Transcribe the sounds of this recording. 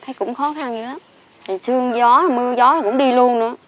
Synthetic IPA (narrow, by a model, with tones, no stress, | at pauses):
t̪ʰaː˨˦jkʊ̰˧˥ŋ͡mxɔ˨˦xa˧nɲɨ˧˦la˨˦m | t̪ʰi˨˩sɨ˧əŋzɔ˨˦˨mɨ˧əzɔ˨˦la˨˩kʊ̰˧˥ŋ͡mɗi˧lu˧ənnɨ̰˧˥ə